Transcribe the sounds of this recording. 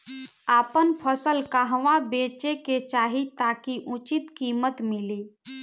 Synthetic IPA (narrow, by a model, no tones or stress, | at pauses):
apənpʰəsəlkaɦʋabet͡ʃeket͡ʃaɦit̪akiʔut͡ʃit̪kimət̪mili